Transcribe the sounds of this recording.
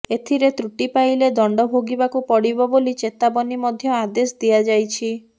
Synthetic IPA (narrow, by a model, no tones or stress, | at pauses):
et̪ʰiɾet̪ɾuʈipajled̪ɔɳɖɔbʱoɡibakupɔɽibɔbolit͡ʃet̪abɔnimɔd̪ʱjɔad̪esd̪iad͡ʒajt͡ʃʰi